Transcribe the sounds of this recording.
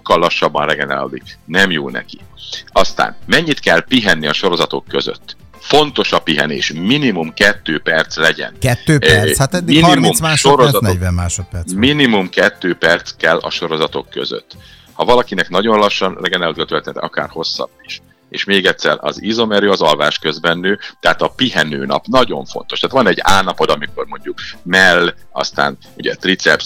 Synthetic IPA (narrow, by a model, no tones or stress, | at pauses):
ʃokːɒlːɒʃːɒbːɒnrɛɡɛna̰ːlo̰ːd̪iknɛmjoːlnɛ̰kiɒst̪a̰ːnmɛɲːit̪kɛlpiɦɛnːiɒʃo̞ɾo̞zɒt̪o̞kːø̞zø̰t̪ː | fo̞nt̪o̞ʃɒpiɦɛ̰nḛːʃminimumkɛt̪ːøːpɛrt̪slɛɟɛ̰nkɛtːøt̪minimumaʃoɾozɒɛmmaːʃot̪pɛminimumkɛt̪ːøːpɛrt̪skɛlːʔɒ̰ʃo̞ɾo̞zɒt̪o̞kːø̞̰zø̰t̪ː | hɒvɒlɒkinɛknɒɟo̞nlɒʃːɒnrɛɡɛnɛlt̪klt̪ølt̪ent̪ɒka̰ːrho̞sːɒ̰bːiʃ | ḛːʃmeːɡɛt̪sɛ̰rɒ̰zizo̞mɛɾøːɒzɒlvaːʃkø̞zbɛnːøːt̪ɛɦat̪ɒpiɦɛnø̰ːnɒ̰pnɒɟo̞̰ɱfo̞̰nt̪o̞ʃt̪aːt̪ʋɒnɛɟːaːnɒpo̞d̪ɒmiko̞rmo̞ɲɟukmɛlːɒ̰st̪a̰ːn | uɟɛ̰t̪rit̪sɛps